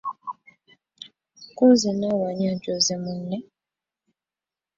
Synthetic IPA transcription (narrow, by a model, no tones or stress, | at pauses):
kozinawaɲad͡ʒozɛmun̩nɛ